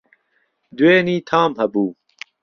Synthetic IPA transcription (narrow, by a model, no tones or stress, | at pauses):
d̪weːniːt̪ʰaːmhɐbuː